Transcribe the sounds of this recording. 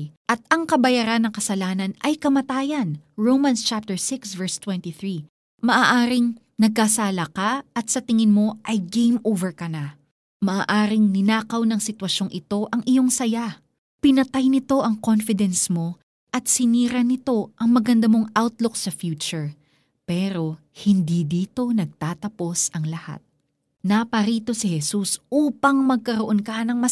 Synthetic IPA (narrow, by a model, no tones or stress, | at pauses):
ʔɐt̪̚ɐŋkɐbɐjaːɾanːɐŋkɐsɐlaːnɐnɐjkɐmɐt̪aːjɐnɹowmɐnst͡ʃap̚t̪ɛɹsɪksvɛɹst̪wɛnt̪iθɹi | mɐʔaːʔaːɾɪŋ | nɐɡ̚kasaːlɐkaɐt̪̚sɐt̪ɪŋɪnmo̞ʔɐjɡejmoːvɛɹkɐna | mɐʔaːʔaːɾɪŋnɪnaːkɐwnɐŋsɪt̪wɐʃo̞ŋʔɪt̪o̞ʔɐŋʔɪjo̞ŋsɐja | pɪnɐt̪ajnɪt̪o̞ʔɐŋko̞nfɪd̪ɛnsmo̞ | ʔɐt̪̚sɪniːɾɐnɪt̪o̞ʔɐŋmɐɡɐnd̪ɐmo̞ŋʔawt̪lʊksɐfjuːt͡ʃʊɹ | pɛːɾo̞ | hɪnd̪id̪iːt̪o̞nɐɡ̚t̪aːt̪ɐpo̞sʔɐŋlɐha̰t̪̚ | napɐɾiːt̪o̞sɪhɛsusʔuːpɐŋmɐɡ̚kɐɾoʔo̞nkɐnɐŋmɐ